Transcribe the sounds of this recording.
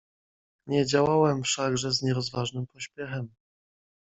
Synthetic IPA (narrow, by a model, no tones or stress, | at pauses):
ɲɛd͡ʑawawɛmfʂaɡʐɛzɲɛɾɔzvaʐnɘmpɔɕpʲjɛxɛm